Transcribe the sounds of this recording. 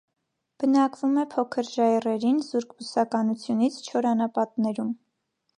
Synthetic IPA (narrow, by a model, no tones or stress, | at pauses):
b̥ənɑkvumɛpʰɔkʰəɾʒɑjɛrɛɾinzuɾkʰbusɑkɑnut͡sʰjunit͡sʰt͡ʃʰɔɾɑnɑpɑt̪nɛɾum